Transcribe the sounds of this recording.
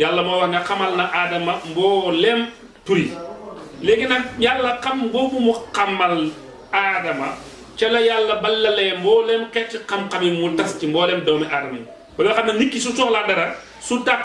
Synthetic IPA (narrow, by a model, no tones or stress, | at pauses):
jalːɐmɔːwɐɾnɐxɐmɐlnɐʔaːdɐmɐmbɔːlɛm | tuɾi | lɛɡinɐjalːɐqɐmɡobumuqɐmːɐl | adɐmɐ | t͡ʃɐlɐjalːɐbɐlːɐlɛmbɔːlɛmkɛtːiqɐmkɐmimutɐscimbɔːlɛmdɐwmiʔaːdɐmɐ | bɐbɛxɐnːɐnikːis̬ut͡ʃɔːxladɐɾɐ | sutak̚